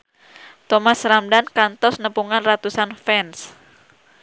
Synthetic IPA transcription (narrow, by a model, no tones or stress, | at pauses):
t̪ɔmasɾamdankant̪ɔsnəpuŋanrat̪usanfɛns